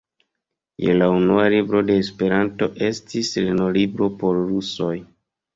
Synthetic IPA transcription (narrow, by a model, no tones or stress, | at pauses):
jḛlaunualibɾo̞de̞ːspe̞ɾanto̞ʔe̞stisleno̞libɾo̞po̞ɾɾuso̞j